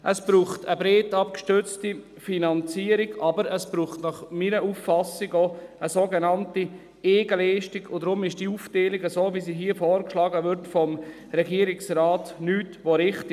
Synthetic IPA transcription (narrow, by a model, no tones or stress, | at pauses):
ʔəsb̥ɾuːχtəbɾeːtɑpkʃtʏɾt͡sti | finɑnt͡siːəɾɪɡɑbəɾəsb̥ɾuːχtnɑχmiɾəʔufːɑsɪɡoəsoːɡenɑnti | eːɡ̥əlɛːʃtiɡʊdɾʊmɪʃd̥iufteːlɪɡəsoːvisiːɦiːəfoːɾkʃlɑːɡəʋʏɾtfɔm | ɾɛɡiəɾɪksrɑːtnyːtʋoɾɪχtɪ